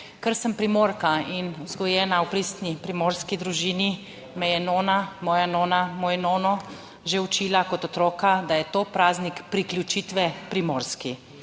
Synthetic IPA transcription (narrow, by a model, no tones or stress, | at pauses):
kəɾsəmpɾimoːɾkainwzɡɔjɛːnawpɾist̪nipɾimoːɾskid̪ɾuʒiːni | mɛjɛnoːnamɔːjanoːnamoːjnoːnɔ | ʒewt͡ʃiːlakɔt̪ɔt̪ɾɔːkad̪ajɛt̪oːpɾaːznikpɾiklʲjut͡ʃiːt̪ʋɛpɾimoːɾski